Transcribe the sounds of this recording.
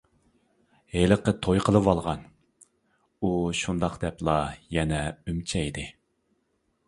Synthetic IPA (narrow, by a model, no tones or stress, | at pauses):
heləqːət̪ʰojqʰəlˠɨwɑlˠʁɑn | uʃund̪ɑqd̪ɛplˠɑjɛnɛymt͡ʃʰɛid̪ɪ